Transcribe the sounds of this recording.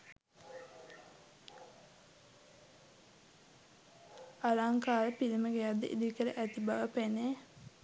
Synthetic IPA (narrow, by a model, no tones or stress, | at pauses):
aɾaŋkaːɾəpiliməɡejad̪ːə̰ʔḭd̪ikəɾəʔæt̪ibaʋəpene